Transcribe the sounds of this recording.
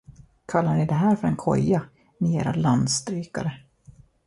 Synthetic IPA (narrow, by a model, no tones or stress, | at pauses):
kʰalːaɳɪd̪ɛɦæːɾfœɾɛnkʰɔ̰jːa | nɪeːɾa̰land̪st̪ɾyːka̰ɾə